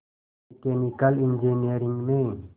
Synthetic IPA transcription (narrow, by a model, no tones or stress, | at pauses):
kenikalind͡ʒeniaɾiŋmẽ